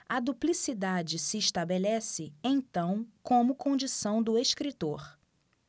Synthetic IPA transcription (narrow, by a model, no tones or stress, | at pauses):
ɐd̪uplisid̪ad͡ʒɪsɪːʃt̪abelɛsɪẽj̃t̪ɐ̃w̃kõmʊkõnd͡ʒisɐ̃w̃d̪ʊeʃkɾit̪oɾ